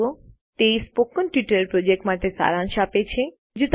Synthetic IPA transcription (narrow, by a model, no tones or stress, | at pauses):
o | t̪ejspokənʈiʈəɾeɾpɾod͡ʑek̚ʈmat̪esa̰ɾanʃapet͡ɕʰe | d͡ʑut̪